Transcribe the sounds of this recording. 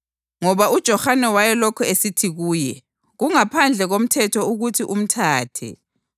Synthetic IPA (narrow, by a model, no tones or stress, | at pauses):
ŋɔβaud̥ʒ̥ʱɔxanɛwajɛlokʰɔesitʰiɣuːjɛ | ɣuŋapʰand͡ɮʱɛɣom̩tʰɛtʰɔuɣutʰiʔum̩tʰaːtʰɛ̰